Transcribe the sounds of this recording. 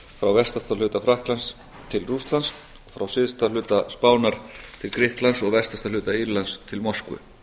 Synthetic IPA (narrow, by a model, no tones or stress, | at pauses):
fɾawvɛrst̪ast̪alʏːt̪afɾahklans | t̪ʰɪlrust̪lans | fɾawsɪðst̪alʏːt̪aspaːwnaɾ̥t̪ʰɪlkɾɪhklansɔɣvɛr̥st̪ḁst̪alʏːt̪aiɾlanst̪ʰɪlmɔr̥skvʏ̰